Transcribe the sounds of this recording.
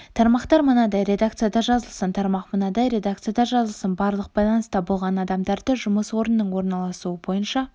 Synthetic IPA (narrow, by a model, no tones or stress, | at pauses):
t̪ʰɑɾmɑqt̪ɑɾmənɑd̪ɑjɾe̞d̪ak̚t̪sɨjad̪ɑʒɑzəlˠsənt̪ʰɑɾmɑqmənɑd̪ɑjɾe̞d̪ak̚t̪sɨjad̪ɑʒɑzəlˠsənbɑɾlˠəq̚b̥ɑjlˠɑnəst̪ɑbolˠʁɑnɑd̪ɑmd̪ɑɾd̪əʒʊməswo̞ɾənːəɴwo̞ɾnɑlˠɑsuəbo̞jənʃɑ